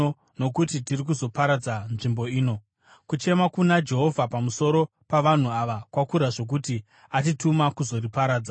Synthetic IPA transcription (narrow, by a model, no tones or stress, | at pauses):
o | no̞kutitirik̬uzo̞paɾad͡zanʐimbo̞iːno̞ | kut͡ʃe̞makunad͡ʒe̞ɦo̞vʱapamuso̞ɾo̞ | paʋan̤uaʋakwakuɾaʐo̞k̬uti | at̬itumakuzo̞ripaɾaːd͡za